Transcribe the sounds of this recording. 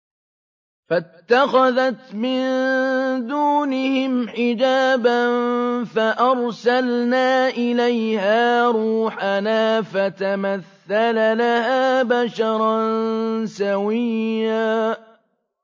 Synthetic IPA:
fat̪ːaxaðat̪mɪn | d̪uːnɪhɪmħɪd͡ʒaːbanfaʔɑɾˤsalnaːʔɪlajhaːɾˤuːħanaːfat̪amaθːalalahaːbaʃɑɾˤɑnsawɪjːaː

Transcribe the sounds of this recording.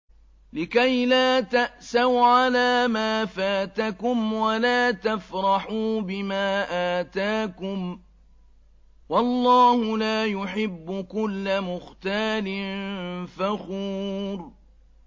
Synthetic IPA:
lɪkajlaːt̪aʔsawʕanaːmaːfaːt̪akʊmwalaːt̪afɾˤɑħuːbɪmaːʔaːt̪aːkʊm | wɑlˤːɑːhʊlaːjʊħɪbːʊkʊlːamʊxt̪aːlɪnfaxuːɾ

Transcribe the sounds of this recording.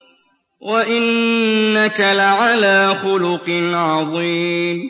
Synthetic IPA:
waʔɪnːakalaʕalaːxʊlʊqnʕɑðˤiːm

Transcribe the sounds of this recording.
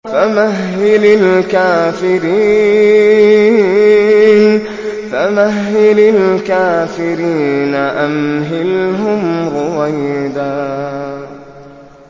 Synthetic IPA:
famahːɪlɪlkaːfɪɾiː | n | famaɦːɪlɪlkaːfɪɾiːnaʔamɦɪlhʊmɾʊwajd̪aː

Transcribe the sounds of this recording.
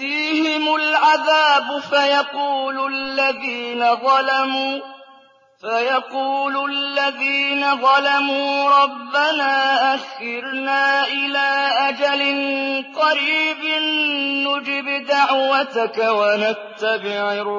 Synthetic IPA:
fiːhɪmʊlʕaðaːbʊfajɑquːlʊlːaðiːnaðˤɑlamuː | fajɑquːlʊlːaðiːnaðˤɑlamuːɾˤɑbːanaːʔaxɪɾnaːʔɪlaːʔad͡ʒalɪnqɑɾiːbɪnːʊd͡ʒɪbd̪aʕwat̪akawanat̪ːabɪʕɪɾ

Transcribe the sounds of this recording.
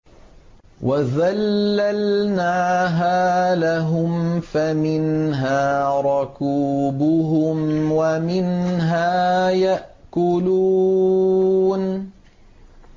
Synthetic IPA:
wʔazalːalnaːɦaːlaɦʊmfamɪnɦaːɾˤʊkuːbʊɦʊmwamɪnɦaːjaʔkʊlu | n

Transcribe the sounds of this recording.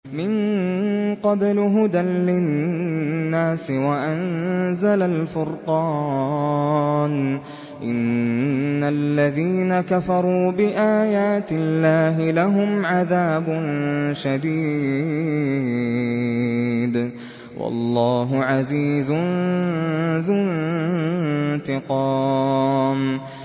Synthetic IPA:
mɪn | qɑblɦʊd̪anlɪnː | aːsɪwaʔanzalalfʊɾqɑː | n | ʔɪnː | alːaðiːnakafɑɾˤuːbɪʔaːjaːt̪ɪlːaːɦɪlaɦʊmʕaðaːbʊnʃad̪iː | d̪ | wʔɑ̰lˤːɑːɦʊʕaziːzʊ | ðʊ | nt̪ɪqɑː | m

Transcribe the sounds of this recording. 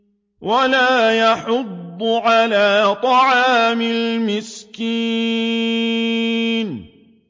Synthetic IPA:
walaːjɑħʊd̪ːʊʕalaːt̪ˤɑʕɑːmɪlmɪskiː | n

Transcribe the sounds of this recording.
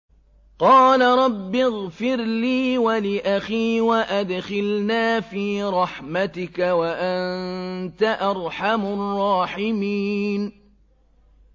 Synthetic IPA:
qɑːlaɾˤɑbːɪɣfɪɾliːwalɪʔaxiːwaʔad̪xɪlnaːfiːɾˤɑħmat̪ɪkawaʔannnt̪aʔɑɾˤħamʊrˤːɑːħɪmiːn

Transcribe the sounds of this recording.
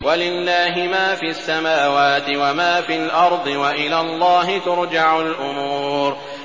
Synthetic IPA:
walɪlːaːɦɪmaːfiːasːamaːwaːt̪ɪwamaːfilʔɑɾˤd̪ˤɨwaʔɪlaːlˤːɑːɦɪt̪ʊɾd͡ʒaʕʊlʔʊmuːɾ

